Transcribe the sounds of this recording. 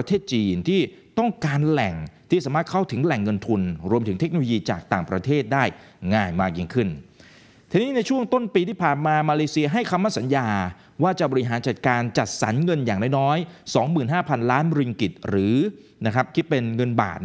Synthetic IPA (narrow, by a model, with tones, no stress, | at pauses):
t̪ʰeː˥˩t̪̚t͡ɕiː˧nt̪ʰiː˥˩t̪ɔ˥˩ŋkaː˧nlɛ˨˩ŋt̪ʰiː˥˩saː˩˦maː˥˩t̪̚kʰa˥˩wt̪ʰɯ˩˦ŋlɛ˨˩ŋːɤ˧nt̪ʰu˧nɾu˧əmt̪ɯ˩˦ŋt̪e˦˥k̚o˧o˧jiː˧t͡ɕaː˨˩k̚t̪aː˨˩ŋpɾa˧t̪ʰeː˥˩t̪̚daː˥˩jŋaː˧˩jmaː˥˩k̚ji˧ŋkʰɯ˥˩n | t̪ʰiː˧˩niː˦˥na˧jt͡ɕʰu˥˩əŋt̪o˥˩npiː˧t̪ʰiː˥˩pʰaː˨˩nmaː˧maː˧leː˧si˧ɐɦa˥˩jkʰa˧mːa˥˩sa˩˦njaː˧ | waː˥˩t͡ɕa˨˩bɔː˧ɾi˧ɦaː˩˦nt͡ɕa˨˩t̪̚kaː˧nt͡ɕa˨˩t̪̚sa̰˩˦nŋɤ˧njaː˨˩ŋna˥˩nɔː˦˥jsɔː˩˦ŋmɯː˨˩nɦaː˥˩pʰa˧nlaː˦˥nɾi˧ŋki˨˩t̪̚ɾɯː˩˦ | na˦˥kʰɾa˦˥p̚kʰi˦˥t̪̚pe˧nŋɤ˧nba̰ː˨˩t̪̚